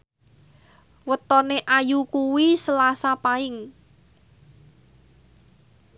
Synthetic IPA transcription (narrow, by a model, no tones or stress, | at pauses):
wət̪ɔneʔajukuwisəlasapaɪŋ